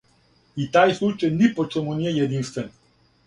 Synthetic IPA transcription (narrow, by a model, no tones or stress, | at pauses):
it̪aːjslˠut͡ʃajnipot͡ʃɛmuniɛjɛd̪inst̪vɛn